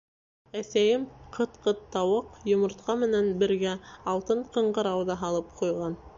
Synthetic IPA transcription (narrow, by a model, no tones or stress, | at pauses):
æsæjɘmqʰɤ̆t̪qɤ̆t̪ːɑwɤqjŏmŏɾt̪qɑmɘ̆nænbɘ̆ɾɡæɑlˠt̪ɤɴqɤ̆ɴɢɤɾɑwðɑɦɑlˠɤp̚qujʁɑn